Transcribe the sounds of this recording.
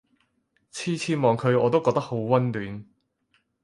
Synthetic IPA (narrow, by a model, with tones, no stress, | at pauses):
t͡sʰiː˥t͡sʰiː˥mɔː˨˧ŋkʰɵ˨˧ɥɔː˨˧t̪o˥wkɔː˧k̚t̪ɐ˥k̚ho˨˥wwɐ˥nlyː˨˧n